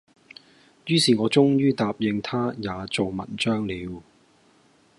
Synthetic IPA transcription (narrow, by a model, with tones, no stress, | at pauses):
jyː˥siː˨˩ŋɔː˨˧t͡sʊ˥ŋjyː˥t̪aː˨˧p̚jɪ˧ŋt̪ʰaː˥jaː˨˧t͡so˨wmɐ̰˨˩nt͡ʃœː˥ŋliː˨˧w